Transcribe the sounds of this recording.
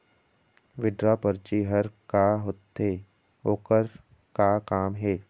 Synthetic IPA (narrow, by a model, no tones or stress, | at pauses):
ʋɪɖɾapəɾt͡ʃiɦəɾkaɦot̪eː | oːkəɾ | kakaːmɦɛː